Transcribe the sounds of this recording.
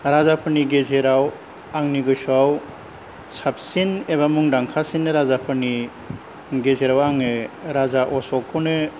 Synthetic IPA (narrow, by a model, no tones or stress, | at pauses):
ɾazapʰɯniɡezeɾaw | aŋniɡɯjsuaw | sap̚sineβamuŋdaŋkʰasinːɯɾazapʰɯni | ɡezeɾawaŋɯɾazaʔɔsɔkʰːɔnɯ